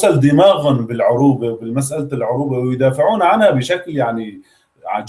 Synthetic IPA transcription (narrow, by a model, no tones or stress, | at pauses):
ʔald̪ɪmaːɣanbɪlʕʊɾuːbabɪlmas̬ʔallʕʊɾuːbawjd̪aːfɪʕuːnʕanhabɪʃakljaʕni | ʕa̰d͡ʒ